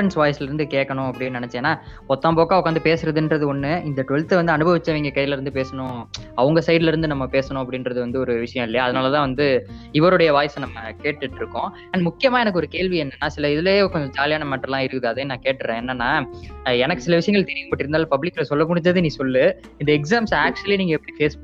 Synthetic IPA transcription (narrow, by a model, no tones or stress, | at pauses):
ɐnsʋaːjɐsɯlɪɾɯnd̪ɯkeːʈkːɐɳʊ̃ɐpːɐɽɪnːnɐnɛt͡ʃːɪeːnːaː | ɔt̪ːãːmboːkːaːʋɐkːɐnd̪ɯpeːsɯɾɐðɯndɾɐðɯɔnːɯɪnd̪ɐʈɔɻt̪ːɐʋɐnd̪ɯɐnɯbʱɐʋɪt͡ʃːɐʋiːŋɡɐkɐjlɪɾɯnd̪ɯpeːsɐnʊ̃ɐʋɐŋɡɐsɐɪɾlɪɾɯnd̪ɯnɐmːɐpeːsɐɳʊ̃ɐpːɐɽɪnɾɐðɯʋɐnd̪ɯɔɾɯʋɪʂɐjɐ̃ɪlːɐjaːɐðɐnaːlɐt̪ãːʋɐnd̪ɯ | ɪʋɐɾɔɽɐjɐʋaːjɐsɐ̃nɐmːɐkeːʈːɯʈːɪɾɯkːõ | ɐɳɖmʊkːɪjɐmaːɛnɐkːɯɔɾɯkeːɭʋiɛnːɐnːaːsɪlɐɪðɯleːkɔɲd͡ʒɐd͡ʒaːlɪjaːnɐmaːʈːrɐlãːɪɾɯkːɯðɯɐðɐjnãːkeːʈːɾẽɛnːɐnːaːɛnɐkːɯ̥sɪlɐʋɪʂɐjɐŋɡɐɭt̪ɛɾɪjɐmpɐːʈːɪɾɯnd̪aːlpɐblɪkːlɐsɔlːɐmʊɽɪɲd͡ʒɐðɯnĩːsɔlːɯ | ɪnd̪ɐɛks̬aːmsaːk̚t͡ʃɐliniːŋɡɐɛpːɐɽifeːs